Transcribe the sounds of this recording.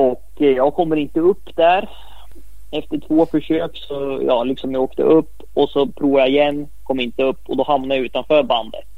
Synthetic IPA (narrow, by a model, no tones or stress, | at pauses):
ɔkjɑːɡkʰɔmːəɾɪnt̪əɵpːd̪̥æɾ | ɛft̪əʈʰv̥oːfœʂøːksɔjɑ̰ːlɪksɔmjaoːkt̪ə̰ʔɵpːɔsɔpʰɾuːvajaɪjɛnː | kʰɔmːɪnt̪əɵpːɔd̪ɔɦamnaɾjaʉ̟ːt̪anfœːɾband̪ə̰t̪